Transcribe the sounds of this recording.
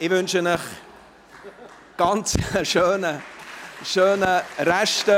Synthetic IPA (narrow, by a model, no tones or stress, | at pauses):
ɪvʏnʃənɪχ | ɡ̥ɑnt͡səʃøːnə | ʃøːnəɾɛʃtə